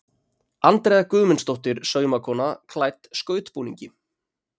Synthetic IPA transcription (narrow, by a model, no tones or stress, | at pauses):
ant̪ɾɛːðakʏːmɛnst̪owht̪ɪɾsœːɥmakʰɔːnakʰlajt̪skœːɥt̪puːnḭɲcɪ